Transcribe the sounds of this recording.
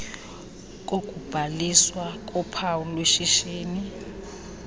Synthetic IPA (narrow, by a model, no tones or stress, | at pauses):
k̬ʼok̬ʼub̥ʱaliswak̬ʼɔpʰawulweʃiʃiːni